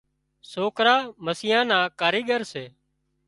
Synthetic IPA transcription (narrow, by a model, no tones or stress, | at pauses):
soːkɾaːməsɪjãːnãːkaːɾiːɡəɾseː